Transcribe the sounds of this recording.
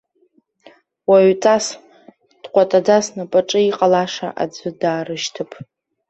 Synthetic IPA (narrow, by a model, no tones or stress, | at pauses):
waɥt͡sʼas | d̥qʷʼatʼad͡zasnɨpʼaʈ͡ʂʼɨiqʼalaʂa̰ʔa̰d͡zʷɨdaːrɨʃtʰɨpʰʼ